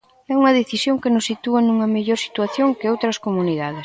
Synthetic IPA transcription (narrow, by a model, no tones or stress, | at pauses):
ɛuŋɐðeθisjoŋkenʊsːit̪uɐnuŋɐmeʎoɾsi̥t̪waθjoŋkɪowt̪ɾɐskomuniðaðɪs